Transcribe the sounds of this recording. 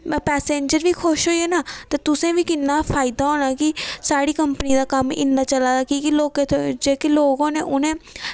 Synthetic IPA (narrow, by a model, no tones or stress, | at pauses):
pɛːsẽːɲd͡ʒəɾʋiːkʰʊʃɦoːiɛːnaːt̪eːt̪ʊsẽːʋiːkɪnːaːpʰaːɪd̪aːɦoːɽ̃aːkɪsaːɽiːkəmpəniːd̪aːkəmɪ̰nːaːt͡ʃəlaːd̪aːkiːkɪloːket̪ːd͡ʒeːkɪloːɡõːneːʔʊnẽː